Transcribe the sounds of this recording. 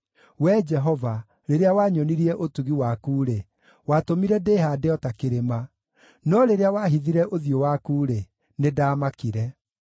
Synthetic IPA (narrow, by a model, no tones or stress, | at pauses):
wɛd͡ʒɛɦɔva | ɾeɾeawaɲɔniɾiɛʔotuɣiwakuːɾe | watomiɾɛdeːɦaːdeɔtakeɾema | nɔɾeɾeawaɦiðiɾɛʔoðjowakuːɾe | nedaːmakiɾɛ